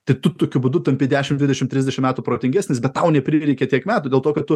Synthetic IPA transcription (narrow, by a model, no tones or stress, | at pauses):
t̪ɐɪt̪ʊt̪oːkʲʊbud̪ʊt̪ɐmʲpʲɪd̪ʲæːʃʲɪmd̪ʲɪd̪ʲɛʃʲɪmt̪ʲɾʲɪzʲd̪ʲɛʃʲɪmʲæːt̪uːpɾoːt̪ʲɪŋʲɡʲæːsʲnʲɪsbʲɛt̪tɐʊnʲɛpʲɾʲɪɾʲɛɪkʲɛt̪ʲiɛkmʲæːt̪uːd̪ʲeːlˠt̪oːkɐt̪̚tʊ